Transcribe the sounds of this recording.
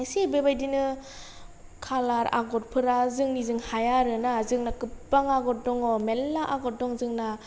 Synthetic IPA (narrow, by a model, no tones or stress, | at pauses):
jsebebajdinɯ | kʰalaɾa̰ɡɔt̚pʰɯɾazɯŋnizɯŋhajaɾɯnazɯŋnakɯpbaŋaɡɔt̚dɔŋɔmelːaʔaɡɔt̚dɔŋzɯŋna